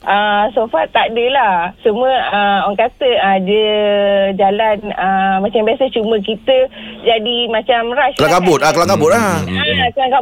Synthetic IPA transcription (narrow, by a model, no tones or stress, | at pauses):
ʔəsofat̪ːadəlahsəmuəəaŋkat̪əadə | d͡ʒalanəmãt͡ʃambiasat͡ʃumək̬it̪əd͡ʒadimãt͡ʃamɾasklakabʊt̪akəlaŋkabʊt̪̚aakəlaŋka